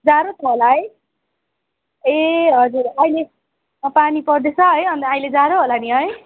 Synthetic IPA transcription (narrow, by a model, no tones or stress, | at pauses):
d͡zaɾot͡sʰʌɦolaʌj | eɦʌd͡zuɾajle | panipʌrd̪et͡sʰʌʌjʌnt̪aajled͡zaɾoɦolaniɦʌj